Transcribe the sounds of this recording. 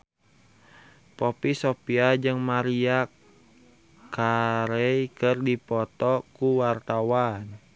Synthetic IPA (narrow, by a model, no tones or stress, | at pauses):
pɔpisopiad͡ʒɨŋmaɾiak | aɾejkərdipɔt̪ɔkuwart̪awan